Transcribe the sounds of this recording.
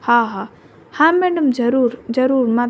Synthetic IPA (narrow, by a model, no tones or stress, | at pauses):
haɦa | hãmːɛɖəmd͡ʒɐɾuːɾd͡ʒɐɾuːɾma